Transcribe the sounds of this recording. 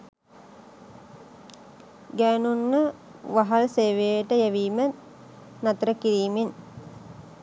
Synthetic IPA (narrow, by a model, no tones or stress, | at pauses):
ɡæːnunːə | ʋaɦalseːʋejəʈəjæʋiːmə | nat̪əɾəkiɾiːmen